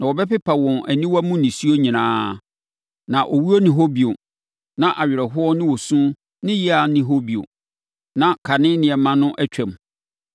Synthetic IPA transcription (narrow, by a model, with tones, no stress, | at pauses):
nã˨wɔ˨bɛ˦pɪ˦pʰa˨wɔ̃˨næ˨nĩ˦wa˦mũ˦nɪ̃˨si˦o˦ɲĩ˨nãː˦ | nã˨ʔɔ˨wu˦o˦nɪ̃˨ɦo˦bi˨o˨ | nã˨ʔa˨ɥɪ˨ɾɛ˨ɦʊ˦ɔ˦nɪ̃˦wo˨sũ˦ | nɪ̃˦jɪ˦a˨nɪ̃˨ɦo˦bi˨o̰˨ | nã˨kʰa˨nɪ̃˦nɪ̃˨ɛ˨mã˦nʊ̃˦ʔæ˦t͡ɕᶣʰɛ̃˨m˨